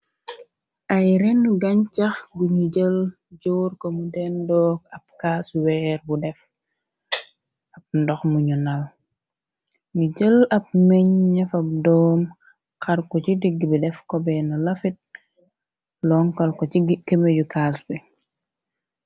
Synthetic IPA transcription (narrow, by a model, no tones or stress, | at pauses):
ʔajɾɛnːuɡɐɲt͡ʃɐxɡuɲuɟəl | ɟoːɾkomudɛndɔːɡɐp̚kaːswɛɾbudɛf | ɐp̚ndɔxmuɲunal | ɲuɟəlɐp̚meɲɲɛfɐdɔːm | kɐɾkɔt͡ʃidiɡːbidɛfkɔbɛnɐlɐfit̚ | lɔŋkɐlkɔkemeɟukasbi